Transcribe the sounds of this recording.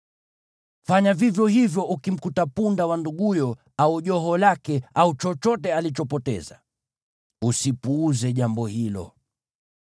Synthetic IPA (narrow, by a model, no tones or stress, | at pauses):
faɲavivjɔhivjɔʔukim̩kutapundawanduɠujɔ | auʄɔɦɔlakɛaut͡ʃɔt͡ʃɔtɛalit͡ʃɔpɔtɛ̰za̰ | usipuːzɛʄambɔhilɔ̰